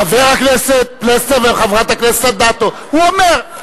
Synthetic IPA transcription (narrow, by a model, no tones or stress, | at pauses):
aveʁakneset̪̚pleseveχavʁat̪aknese̥t̪ad̪at̪o | huomeʁ